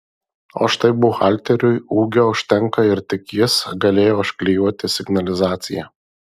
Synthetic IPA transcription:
o̰ːʃt̪ɐɪbʊxɑˑlʲˑt̪ʲɛɾʲʊɪuːɡʲoʊʃʲt̪ʲɛŋkɐɪɾt̪ʲɪkʲjɪsɡɐlʲeːjoːʃʲklʲɪjuɔt̪ʲɪsʲɪɡnɐlʲɪzɑːt̪sʲɪ̰jɛ

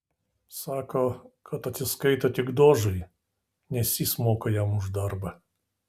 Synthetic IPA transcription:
sɑːkoːkʰɐt̪ɐt̪sʲɪskɐɪt̪ɐt̪ʲɪɡd̪oːʒɐɪ | nʲɛsʲiːsmoːkɐjɛmʊʒd̪ɐɾbɐ

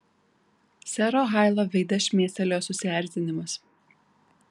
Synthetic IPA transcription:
sʲɛɾoːɣɑˑɪlˠoːʋʲɛɪd̪ʲɐʃʲmʲeːsʲt̪ʲɛlʲoːsʊsʲɪæˑɾʲt̪ʲɪnʲɪmɐs

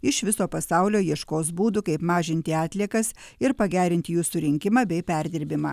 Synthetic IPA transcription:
ɪʃʋʲɪsoːpɐsɑʊlʲoːjiɛʃkoːs̬buːd̪ukɐɪpmɑːʒʲɪnʲt̪ʲɪɑːt̪ʲlʲiɛkɐsɪɾpɐɡʲæːɾʲɪnʲt̪ʲɪjuːsʊɾʲɪŋʲkʲɪmɑːbʲɛɪpʲæɾʲd̪ʲɪɾʲbʲɪmɑ̰ː

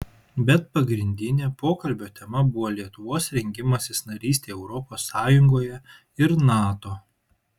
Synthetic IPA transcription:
bʲɛt̪̚pɐɡɾʲɪnʲd̪ʲɪnʲeːpoːkɐlʲbʲoːt̪ʲɛmɐbʊʋoːlʲiɛt̪ʊʋoːsɾʲɛŋʲɡʲɪmɐsʲɪsnɐɾʲiːsʲt̪ʲeːɛʊɾɔpoːsːɑːjʊŋɡoːjɛ | ɪɾnɑːt̪oː

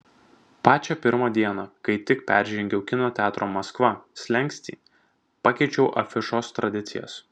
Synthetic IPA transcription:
pɑːt͡ʃʲɛpʲɪɾmɐd̪ʲiɛnɐkɐɪt̪ʲɪkpʲæ̰ːˑɾʲʒʲɛŋʲɡʲɛʊkʲɪnoːt̪ʲæːt̪ɾoːmɐskʋɐsʲlʲɛŋʲkʲsʲt̪ʲḭː | pɑkʲɛɪt͡ʃʲɛʊʔɐfʲɪʃoːst̪ɾɐd̪ʲɪt̪sʲɪjɛ̰s

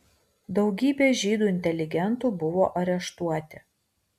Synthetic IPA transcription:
d̪ɒʊɡʲiːbʲeːʒʲiːd̪uːɪnʲt̪ʲɛlʲɪɡʲɛnt̪uːbʊʋoːʔɐɾʲɛʃt̪uɔt̪ʲɪ

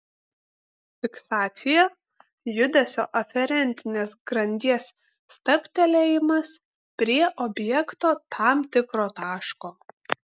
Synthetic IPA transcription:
fʲɪksɑːt̪sʲɪjɛ | jʊd̪ʲɛsʲoːʔɐfʲɛɾʲɛnʲˑt̪ʲɪnʲeːsɡɾɐnʲd̪ʲiɛsː | t̪ɐpʲt̪ʲɛlʲejɪmɐs | pʲɾʲiɛʔɔbʲjɛkt̪oːt̪ʰɑmt̪ʲɪkɾoːt̪ɑːʃkoː

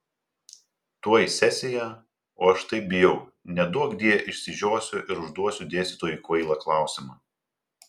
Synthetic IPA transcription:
t̪uɔjisʲɛsʲɪjɛ | oːɐʃt̪ɐɪp̚bʲɪjɛʊnʲɛd̪uɔɡd̪ʲiɛjʔɪʃʲsʲɪʒʲoːsʲʊʔɪɾʊʒd̪uɔsʲʊd̪ʲeːst̪ʲɪt̪oːjuˑkʋɐɪlˠɐklˠɑˑʊsʲɪmɑː

